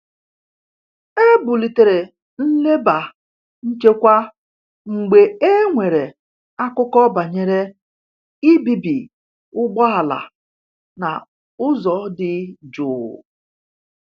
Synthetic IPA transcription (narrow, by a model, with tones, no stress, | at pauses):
e˦bʊ˨li˨te˨ɾe˨ | n̩˦le˦ba˨ | n̩˦t͡ʃe˦kʷa˦ | ŋ͡m̩˨ɡ͡be˨e˦ŋʷe˨ɾe˨ | a˦kʊ˦kɔ˦ba˨ɲe˦ɾe˦ | i˦bi˨bi˨ | ʊ˦ɡ͡bɔ˦a˨la̰˨ | na̰˨ | ʊ˦zɔ˨˦dɪ˨d͡ʒʊ˨